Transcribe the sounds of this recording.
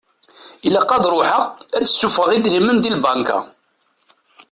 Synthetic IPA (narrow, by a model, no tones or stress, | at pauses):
ilæqːɑðɾˤʊħəʁæt͡sːsːufəʁid̪ɾimənd̪ilbɑŋka̰